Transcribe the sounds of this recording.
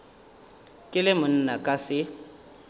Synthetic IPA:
kʼɪlɪmʊn̩nakʼasɪ

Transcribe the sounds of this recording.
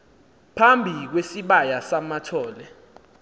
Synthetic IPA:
pʰambʱik̬wesiɓajasamatʰɔːlɛ

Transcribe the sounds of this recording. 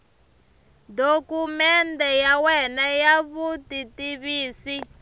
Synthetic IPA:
dokumɛntɛjawɛnajaβutitiβiːsi

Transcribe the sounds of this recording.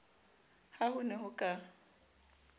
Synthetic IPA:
hahʊnɛɦʊkʼa

